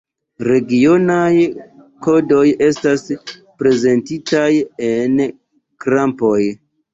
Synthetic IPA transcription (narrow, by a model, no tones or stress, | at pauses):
ɾe̞ɡio̞naj | ko̞do̞je̞staspɾe̞ze̞ntitajen | kɾampo̞j